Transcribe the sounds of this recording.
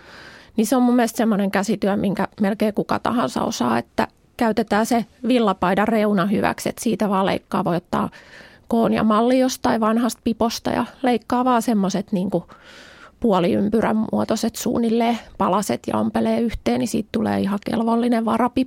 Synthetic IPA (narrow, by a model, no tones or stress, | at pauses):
niseommumːielst̪semːoneŋkæsit̪yæmiŋkæmelkeːkukɑ̰t̪ɑ̰hɑnsɑ̰o̰sɑ̰ːḛt̪ːæ̰ | kæyt̪et̪æːseʋilːɑpɑidɑreunɑhyʋæ̰ksḛt̪siːt̪æʋɑːlḛikːɑːʋojot̪ːɑ̰ːkoːnjɑ̰mɑlːiost̪ːɑiʋɑnhɑst̪̚pipost̪ɑ̰jɑ̰leikːɑːʋɑːsemːoset̪niːŋku | puɔliympyræ̰mmṵɔt̪oset̪sṵːnːilːeːpɑlɑsḛt̪jɑ̰o̰mpeleːyht̪eːnnisḭːt̪t̪ulḛːihɑkḛlʋolːineʋʋɑrɑpip